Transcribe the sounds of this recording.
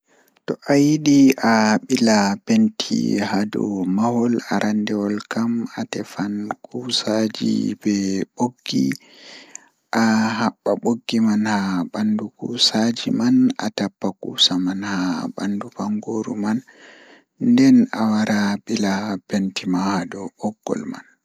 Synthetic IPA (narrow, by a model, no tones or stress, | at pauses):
tɔʔajiɗiʔaɓilabentʰḭhadɔ̰mahɔlaɾʔandɛɔlkamatɛfankʰusad͡ʒḭbɛɓoɡ̥ːḭ | ʔahaɓːaɓoɡːimanhabandukusad͡ʒimana̰tapːakṵːsamanhaba̰ndubaŋɡoɾṵman | ndɛnawaɾabilabentimahadɔʔɔɡ̥ːɔ̰lma̰n